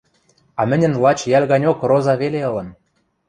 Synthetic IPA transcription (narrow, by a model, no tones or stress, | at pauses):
ɑmɘ̆nʲə̆nlˠɑt͡ɕjælʲɣɑnʲokrozɑβeleɤ̆lɤ̆n